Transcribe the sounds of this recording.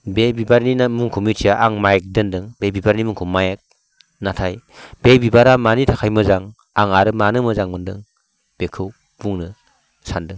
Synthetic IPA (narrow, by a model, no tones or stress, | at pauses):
bebibaɾninamuŋkʰumitʰiaʔaŋmajek̚dɯndɯŋbebibaɾnimuŋkʰumːajek̚ | natʰajb̥ebibaɾamanitʰakʰajmɯzaŋ | aŋaɾɯmanɯmɯzaŋmɯndɯŋ | b̥ekʰɯw | b̥uŋnɯ | sandɯŋ